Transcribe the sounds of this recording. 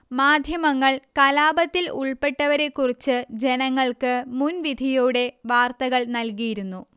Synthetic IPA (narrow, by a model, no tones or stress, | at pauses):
maːd̪ʱjɐmɐŋːɐɭkɐlaːbɐt̪ːilṵɭpe̞ʈːɐʋɐɾe̞kːurit͡ɕːɨd͡ʑe̞nɐŋːɐɭkɨmunʋid̪ʱijuːɽe̞ʋaːrt̪ɐɣɐɭnɐlkijiɾunːu